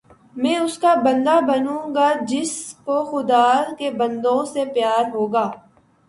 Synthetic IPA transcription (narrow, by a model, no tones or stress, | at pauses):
mɛ̃ːʊskabɐ̃nd̪abɐnũɡad͡ʒɪskoxʊd̪aːɾkebɐ̃nd̪õsepjaːɾɦoːɡaː